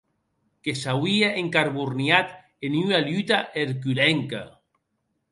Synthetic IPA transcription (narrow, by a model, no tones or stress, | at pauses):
kesawiaʔeŋkaɾβuɾnjat̪ | enyalyt̪aʔeɾkylɛŋka̰